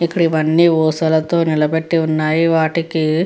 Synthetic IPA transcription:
ikːɐɽiʋɐnːiʋuːsɐlɐt̪oːnilɐbeʈːiunːaːjiʋaːʈiki

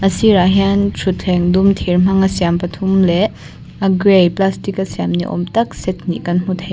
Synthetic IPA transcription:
ɐsiɾaɦjantʰutʰeŋdumtʰiɾm̥aŋɐsijampɐtʰumle | ɐɡɾejplastikɐsijamnḭʔɔ̰mtɐk̚set̚ʰnḭkɐnm̥utʰaj

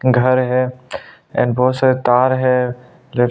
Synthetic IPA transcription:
ɡʱɐɾɦɛ | ɛ̰̃nbɔːt̪saːɾet̪aːɾɦɛ | le

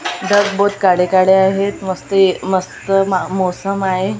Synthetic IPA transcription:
ɖ̪əɡbod̪kaɽekaɽeaɦet̪məst̪əeməst̪əmamosəmaɦe

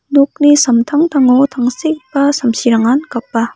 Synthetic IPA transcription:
nuk̚nisɐmtʰaŋtʰaŋowtʰaŋsik̚basɐmsiɾaŋankɐp̚ːa

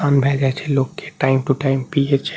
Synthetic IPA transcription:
anbʱɛd͡ʒat͡ɕʰelokːeʈajmʈuʈajmpiet͡ʃʰe

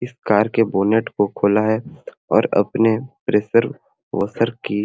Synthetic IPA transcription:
ɪskaːɾkeboːneːʈkokʰoːlaɦɛ | ɔ̰ːɾɐ̰pnepɾeːsəɾ | ʋə̰səɾki

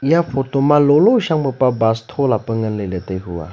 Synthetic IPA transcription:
ijafotomaloloʃaŋbəpabast̪ʰolapəŋənlələt̪əjɦua̰

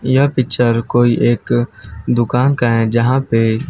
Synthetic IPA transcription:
japɪkt͡ʃəɾkoːiʔeːkd̪ʊkaːnkaɦɛ̃d͡ʒɐɦãpe

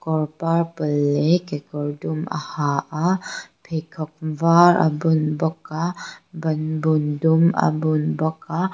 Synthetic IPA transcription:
kɔɾpaɾpəlekekɔɾduma̰haʔapʰekʰɔkvaɾa̰bunbɔkabənbunduma̰bunbɔka

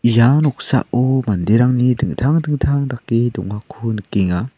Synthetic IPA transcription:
ijanɔk̚sa̰ʔʔɔmandiɾaŋnidɯŋtʰaŋdɯŋtʰaŋdakːidɔŋakʰunɯkːiŋa

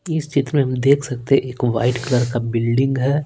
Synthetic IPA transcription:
ɪst͡ʃɪt̪ɾəmẽɦɐmd̪eːkʰsɐk̚t̪eɦɛ̃ʔeːkʋa̰ːɪʈkləɾkabɪlɖɪ̃ŋɡɦɛː

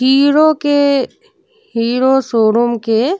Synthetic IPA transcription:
ɦiːɾoke | ɦiːɾosoːɾʊmke

